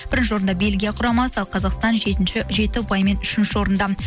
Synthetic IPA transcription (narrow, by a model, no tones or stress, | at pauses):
b̥ɪɾɪnʃɪo̞ɾənd̪ɑbe̞lɡʲijɑqʰʊɾɑmɑsəɑlˠqʰɑzɑqst̪ɑnʒe̞t̪ɪnʃɪʒe̞t̪ɪʊpɑjme̞nʏʃɪnʃɪo̞ɾənd̪ɑ